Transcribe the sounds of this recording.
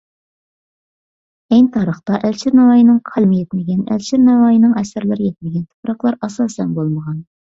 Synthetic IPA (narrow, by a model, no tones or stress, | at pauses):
ɛŋt̪ʰɑːɾəχt̪ɑʔælt͡ʃʰɪɾnɑwɑːjinɨŋqʰælˠmɪjɛt̪mɪɡʲɛnæ̰lt͡ʃʰɪɾnɑwɑːjinɨŋɛsæɾlɪɾɪjɛt̪̚mɪɡʲɛnt̪ʰʊ̥pɾɑqlˠɑɾɑsɑːsɛnbolˠməʁɑn